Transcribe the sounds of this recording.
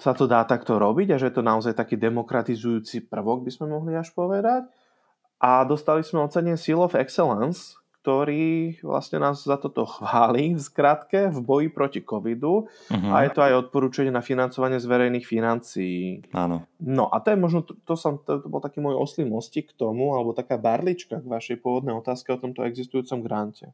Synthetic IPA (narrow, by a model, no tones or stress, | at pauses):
sat̪ɔd̪aːt̪akt̪ɔɾɔbiɟaʒɛjɛt̪ɔnaɔzajt̪akiːd̪ɛmɔkɾat̪izujuːt͡sipr̩ʋɔɡ̚bizmɛmɔɦliaʃpɔʋɛd̪ac | ʔad̪ɔst̪alizmɛɔt͡sɛɲɛsilɔfɛksɛlɛns | kt̪ɔɾiːʋlʔa̰sɲɛnaːzzat̪ɔt̪ɔxʋaːliːfskɾat̪kɛvbɔjipɾɔcikɔʋid̪u | a̰jɛt̪ɔajɔt̪̚pɔɾuːt͡ʃaɲɛnafinant͡sɔʋaɲɪɛzʋɛɾɛjniːxfinant͡sijia̰ːnɔ̰nɔ̰ʔa̰t̪ɔjɛmɔʒnɔt̪t̪ɔsɔmt̪ɔt̪ɔbɔlt̪akiːmɔjɔ̰slimɔscikːt̪ɔmualɛbɔt̪akaːbaɾlit͡ʃkaɡʋaʃɛjpʊɔʋɔd̪nɛjɔt̪aːskɛɔt̪ɔmt̪ɔ̰ʔɛɡzist̪ujuːt͡sɔmɡɾancɛ